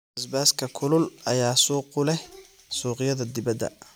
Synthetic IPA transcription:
ɪsbaːskʰɐkʰʊlʊlɐjaːsuːqʊlɛ | suːqɪjɐðɐd̪ɪbɐd̪ɐ̰

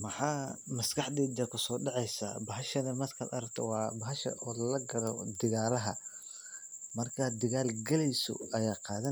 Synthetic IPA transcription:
mɐħɑːmɐskɑħd̪ɛːd̪ɐkʰʊsɔːɖɑʕɑjsa̰bɐɦɐʃɐnɐmɐskʰɐ̰d̪ɐ̰ɾɐkt̪ʰɔ̰wɑːbɐɦɐʃɐ̰ʔɔːlɐɡɐɾɔd̪ɪɣaːlɐɦɐ̰ | mɐrkʰɐd̪ɪɣaːlɡɐlɛjsɔ̰ɐjaːqɑːðɐ

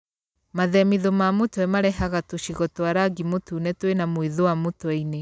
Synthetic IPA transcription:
maðɛmiðomamotwɛmaɾɛɦaɣatoʃiɣɔtoaɾaɡimotuːnɛtwenamoiðowamotwɛine

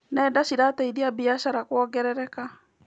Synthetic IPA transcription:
nɛːdaɕiɾatɛiðiabiaɕaɾakwɔɡɛɾɛɾɛka

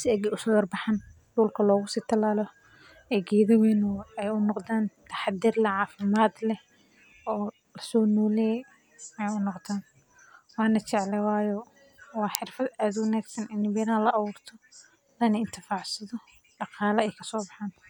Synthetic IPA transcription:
sɪɛɡɛʊsʊɡɐrbɑħɑn | ɖuːlkʰɐlɔːɣʊsiːt̪ʰɐlaːlɔ | ɛːɡɛːðɐwɛːnʊɛjʊnɔqðaːnt̪ʰɐ̥ħɑd̪ɪrlɐʕɑːfɪmaːd̪lɛ | ʔɔː | lɐsɔːnuːlɛː | ɛjʊnɔqt̪aːn | wɑːnɐt͡ʃɛʕlɛwɑːjɔ | wɑːħɪrfɐd̪aːd̪wɑnaːɡsɐnɪnːɪbɛɾaːlɐʔːwuːrt̪ʰɔ | ðɐnɛɪnt̪ʰɪfaːʕsɐðɔ | ɖɑqɑːlɐɛjkʰɐ̥sɔːbɑħaːn

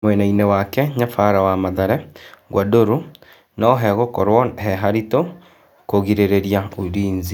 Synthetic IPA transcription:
mwɛnainewakɛɲafaɾawamaðaɾɛɣwadoɾu | naoɦɛɣokɔɾwɔɦɛɦaɾito | koɣiɾeɾeɾiauɾiːɲzi

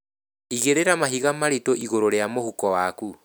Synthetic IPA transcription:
iɣeɾeɾamaɦiɣamaɾetoʔiɣoɾoɾeamohukɔwaku

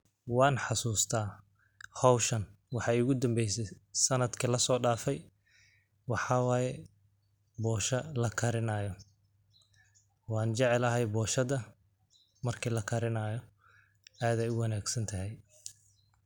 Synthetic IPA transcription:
wɑːnħɑsuːst̪ʰaː | hɔwʃɐn | wɑħɑːjʊɣʊd̪ɐmbɛjsɛjsɐnɐd̪kʰilɐsɔːɖaːfɛj | wɑħɑːwɑːjɛ | bɔːʃɐlɐkʰɐɾɪnaːjɔ | wɑːnt͡ʃɛʕɛlɐɦɛjbɔːʃɐðɐ | mɐrkʰiːlɐkʰɐɾɪnaːjɔ | aːd̪ɛjʊwɑnaːɡsɐnt̪ʰɐɦɛj

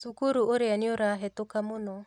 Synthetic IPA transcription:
sukuɾuʔoɾeaneoɾaɦɛtokamonɔ

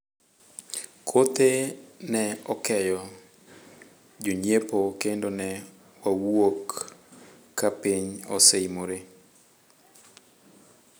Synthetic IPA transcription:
kʰot̪enɛɔkɛjɔ | d͡ʒoɲepokendonɛ | wawokː | apiɲɔsɛimoɾe

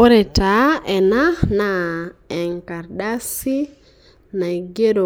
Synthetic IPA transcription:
ɔɾɛtaɛnanaɛŋkaɾɗasi | naɡɛɗɔ

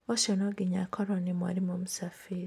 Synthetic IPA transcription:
oʃɔnoɡiɲakʰɔɾonimwa̰ɾimomusafiɾi

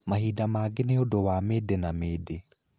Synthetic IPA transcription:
mahiːdamaːɡeneodowameːdenameːde

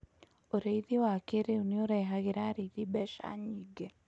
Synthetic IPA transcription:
oɾeiðiwakeɾeunioɾeɦaɣiɾaɾeiðibɛʃa̰ɲiɡe

